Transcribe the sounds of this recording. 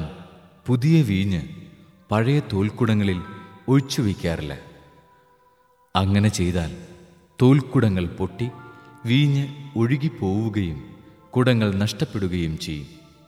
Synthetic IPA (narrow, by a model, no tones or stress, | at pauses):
n | puðijɐʋiːɲːɨ | pɐɻɐjɐt̪oːlkuɽɐŋːɐɭilo̞ɻt͡ɕːuʋikʲːaːrɐlːɐ̰ | ɐŋːɐne̞t͡ɕe̞jt̪aːl | t̪oːlkuɽɐŋːɐɭpo̞ʈːiʋiːɲːɨo̞ɻuɣipo̞ːʋuɣɐjum | kuɽɐŋːɐɭnɐʂʈɐpːe̞ɽuɣɐjumt͡ɕejːṵm